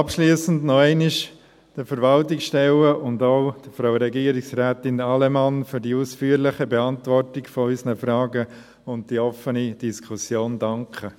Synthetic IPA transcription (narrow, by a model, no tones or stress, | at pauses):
ɑpʃliːsən̩dnɔɛɪnɪʃ | d̥əfəɾvʋɑltɪkʃtɛləʔʊndoʊd̥əfɾawɾɛɡiːəɾɪksɾɛːtɪnɑlɛmɑnfʏɾdiuːsfyːəɾlɪχəbɛɑntvɔrtɪɡfɔysənəfɾɑːɡə | ʊnt̚d̥iɔfənid̥iskʰχusjoːndɑŋkʰə